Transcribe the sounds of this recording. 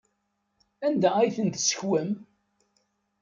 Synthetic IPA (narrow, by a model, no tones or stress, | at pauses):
ænd̪ææjθənt̪sə̥çwəm